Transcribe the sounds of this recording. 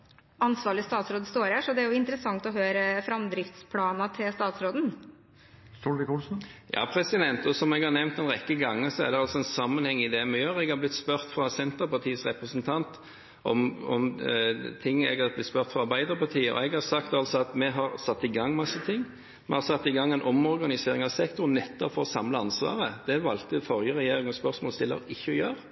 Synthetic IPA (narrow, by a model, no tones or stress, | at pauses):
ɑnsʋɑːɾɭɪst̪ɑːt̪sɾoːd̪əst̪oːɾhæʂɔd̪ɛæɾjʊɪnt̪əɾəsɑŋt̪ɔɦøːɾəfɾɑmd̪ɾɪft̪spʰlɑːnɑt̪ʰɪlst̪ɑːt̪sɾoːd̪n̩ | st̪oːɖ̪ɪkʰuls̩jɑ̰ːpʰɾɛsɪd̪ɛnt̪ɔsɔmɛɡhɑɾnɛʋnt̪ɛnʁɛkːəɡɑŋːəsɔæ̰ɾd̪ɛɑlsɔɛnsɑmːənhɛŋːɪd̪ɛmɛjøːɾɛɡhɑɾblɪt̪ːspœʁt̪fɾɑsɛnt̪əɾpɑʁt̪ʰiːəsʁɛpɾəsənt̪ʰɑnt̪ | ʔɔmɔm | t̪ʰɪŋːɛ̰ɡɑɾblɪt̪spœʁt̪fɾɑɑɾbæɪd̪əɾpɑʁt̪ʰiːəʔɔ̰ɛɡhɑɾsɑkt̪ɑlsɔɑt̪mɛɦɑɾsɑt̪ːɪɡɑŋːmɑsːət̪ʰɪŋː | mɛhɑɾsɑt̪ːɪɡɑŋːɛnʔɔmɔɾɡɑnɪseːɾɪŋɑʋsɛkt̪ʊɾnːɛt̪ːɔpfɔɾɔsɑmləɑnsʋɑ̰ːɾəd̪̥ɛʋɑlt̪əfɔɾjəɾɛjeːɾɪŋɔspœɾsmoːlst̪ɪlːə̰ɪçːəɔjøːɾ